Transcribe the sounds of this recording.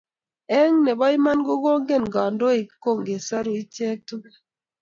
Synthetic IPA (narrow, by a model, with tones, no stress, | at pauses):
ɛ˦ŋne˨bɔ˦i˦ma˦nɡo˦ɡo˦ŋɡe˦˨n˨ɡɔ˨ndo˦e˨˦ko˦˨ŋɡe˨sɔ˦ɾo˨i˦t͡ʃe˦k̚tu˦ke˦